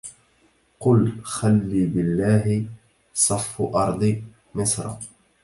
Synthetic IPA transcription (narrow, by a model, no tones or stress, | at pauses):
qʊlxalːiːbɪlːaːɦɪ | sˤɑfːʔɑɾˤd̪ˤɨ | mɪsɾˤɑ̰